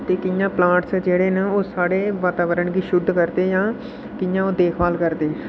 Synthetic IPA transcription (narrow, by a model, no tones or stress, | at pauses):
t̪eːkɪjãːplãːʈsd͡ʒeːɽeːnaːoːsaːɽeːʋət̪aːʋəɾəɳɡiːʃʊd̪kəɾd̪eːjãː | kɪjãːoːd̪eːkʰʋaːlkəɾd̪eː